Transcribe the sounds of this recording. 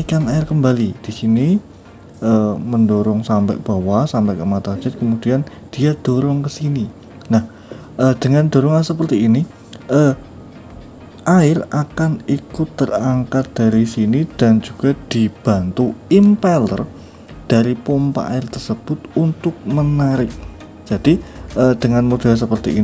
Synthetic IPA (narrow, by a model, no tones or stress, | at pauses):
ikanaɪrkəmbalid̥isini | əməndoɾɔŋsampɛ̰ʔb̥awasampɛʔkəmat̪ḁd͡ʒɪt̪̚kəmud̥ian | d̥iad̪̥oɾɔŋkəsini | nah | əd̥əŋand̥o̤ɾɔŋansəpərt̪iːni | ʔə | ʔaɪrakanikʊt̪ːəraŋkat̪̚d̪̥aɾisinid̥and͡ʒuɡ̥a̤d̪̥i̤b̥a̤nt̪uimpɛlə̰r | d̥aɾipompa̰ʔaɪrt̪ərsəb̥ʊt̪unt̪ʊk̚mənaɾɪk̚ | d͡ʒ̥ad̥iʔəd̥əŋanmud̥as̬əpərt̪iʔi